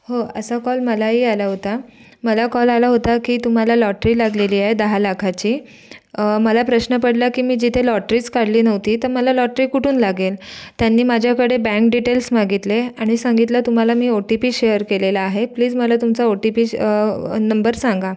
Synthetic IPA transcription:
hoə̰sakɔlməlaɦialaɦot̪a | məlakɔlalaɦot̪akiːt̪um̤alalɔʈɾiːlaɡleliːaɦed̪əɦalakʰat͡ɕiː | məlapɾəɕnəpəɽlakiːmiːd͡ʑit̪ʰelɔʈɾiːt͡skaɽliːnəʋt̪iːt̪əɾməlalɔʈɾiːkuʈʰuːnlaɡelt̪janːiːmad͡ʑʱjakəɽebɛ̃ŋk̚ɖiʈelsmaɡit̪leaɽ̃isãŋɡit̪lat̪um̤alamiːoʈipiːɕejəɾkelelaːɦepliːd͡zməlat̪umt͡saoʈipiː | nəmbəɾsaŋɡa

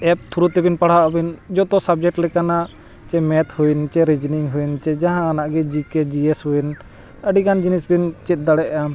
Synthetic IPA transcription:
ɛp̚t̪ʰuɾut̪ɛbinpaɽ̤aʔɔbind͡ʒɔt̪ɔsab̚d͡ʒɛk̚ʈlɛkanaʔ | t͡ʃɛmɛt̪hunt͡ʃɛɾid͡ʒniŋɦujnt͡ʃɛd͡ʒaɦãːnaʔɡɛd͡ʒikɛd͡ʒiɛshuin | əɖikand͡ʒinisbint͡ʃɛt̪̚d̪aɽɛʔa

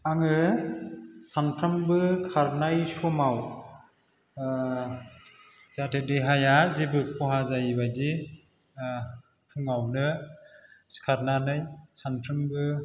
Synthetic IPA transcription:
aŋɯ | sanpʰɾɯmbɯkʰaɾnajsɔmaw | zatʰedeɦajazibɯpʰɔɦazajbadi | pʰuŋawnɯ | skʰaɾnanɯjsanpʰɾɯmbɯ

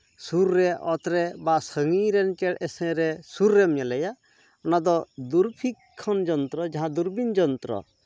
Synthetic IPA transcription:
suɾːɛʔɔt̪ɾɛbasəŋiɾɛnkɛɽɛsɛ̃ɾɛsuɾːɛmɲɛlɛja | ɔnad̪ɔd̪uɾpʰikʰːɔnd͡ʒɔnt̪ɾɔd͡ʒaɦãd̪uɾbind͡ʒɔnt̪ɾɔ̰

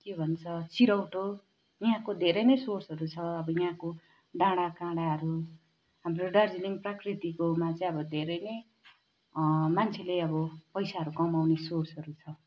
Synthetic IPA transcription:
kebʱʌnt͡sʰʌt͡siɾʌwʈo | jiɦãkod̪ʱeɾʌjnʌjsorsʌɾut͡sʰʌʌbʌjiɦãko | ɖãɽakãɽaɦʌɾu | ɦamroɖard͡ziliŋprakrit̪ikomat͡sʌĩʌbʌd̪ʱeɾʌjnʌj | mant͡sʰeleʌbʌpʌjsaɦʌɾukʌmawnesorsɦʌɾut͡sʰʌ

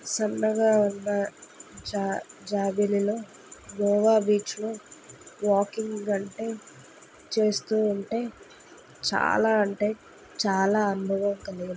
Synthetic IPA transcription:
sɐnːɐɡaːunːɐ | d͡ʒaːbililo̞ː | ɡɔːʋaːbiːt͡ʃloːʋaːkiŋɡɐɳʈe̞ː | t͡ʃe̞ːst̪uːɳʈe̞ː | t͡ʃa̰ːlaːɐɳʈe̞ː | t͡ʃaːlaːɐnubʱɐʋɐmkɐliɡin

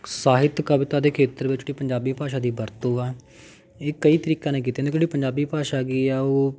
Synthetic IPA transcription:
saːɦɪt̪kəbɪt̪aːd̪eːkʰeːt̪əɾʋɪt͡ʃiːpəɲd͡ʒaːbiːpaːʃ̬aːd̪iːbəɾt̪oːɛː | eːkəiːt̪əɾiːkãːneːk̬iːt̪ẽːnd̪ekd͡ʒeɽiːpəɲd͡ʒaːbiːpaːʃaːɡiːɛːoː

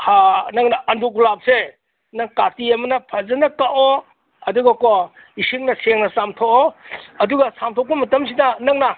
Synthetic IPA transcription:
hanɐŋnɐʔɐndukulap̚se | nɐŋkatiɐmɐnɐpʰɐzɐnɐkaʔo | ɐduɡakɔ | isiŋnɐseŋnɐsamtʰokɔɐduɡɐsamtʰɔk̚bɐmɐtɐms̬idɐnɐŋnɐ

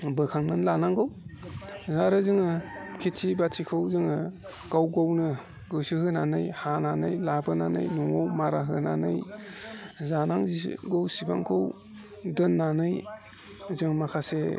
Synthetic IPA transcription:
bɯkʰaŋnɯnlanaŋɡɯw | zaɾɯzɯŋɯkʰitʰibatʰikʰɯwzɯŋɯ | kawɡownɯ | ɡɯsihɯnanɯjhananɯjlabɯnanɯ̰jnuŋawmaɾaɦɯna̰nɯ̰j | zanaŋziɡowsiba̰ŋkʰɯw | dɯnːanɯj | zɯŋmakʰase

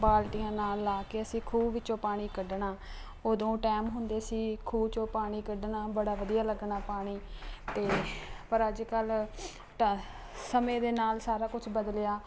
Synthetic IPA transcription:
baːlʈijãːnaːlːaːkeːəsĩːkʰuːbʋɪt͡ʃːõːpaːɽ̃iːkəɖɳaː | oːd̪õːʈaːmɦʊnd̪eːsiːkʰuːbt͡ʃõːpaːɽ̃iːkəɖnaːbəɽaːʋəd̪ijaːləɡɳaːpaːɽ̃iːt̪eːpəɾəd͡ʒkəl | ʈ | səmẽːd̪eːnaːlsaːɾaːkʊt͡ʃʰbəd̪lɪjaː

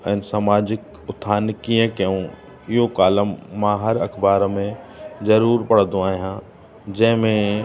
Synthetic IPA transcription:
ɛ̃ːnsaːmaːd͡ʑɪk | ʊt̪ʰːaːnkiə̃kɐjũ | ɪɦokaːləmːãɦɐɾɐkʰbaːɾmẽzɐɾuːɾpɐɽ̤d̪ũaːɦijã | d͡ʑɐ̃ɦɪ̃mẽ

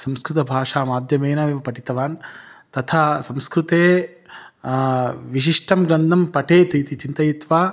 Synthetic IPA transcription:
sɐmskɾut̪ɐbʱaːʂaːmaːd̪ʱjɐmɐjnɐʋiʋɐpɐʈit̪ɐʋaːnt̪ɐt̪ʰasɐmskɾut̪eː | ʋiʃ̬iʂʈɐmɡɾɐnd̪ʱɐmpɐʈeːt̪ɾiːt̪it͡ʃint̪ɐjit̪ʋaː

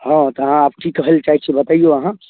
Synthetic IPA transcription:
ɦãt̪ɔɦãaːp̚ʈʰikːəɦəlt͡ʃaːɦit͡ʃʰiebət̪aijoɐɦã

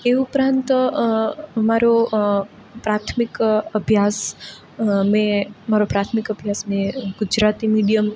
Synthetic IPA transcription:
eupɾãnt̪ | maɾo | pɾat̪ʰmɪkəbʱjas | mẽmaɾopɾat̪ʰmɪkəbʱjasmẽɡʊd͡ʒɾat̪imiɖijəm

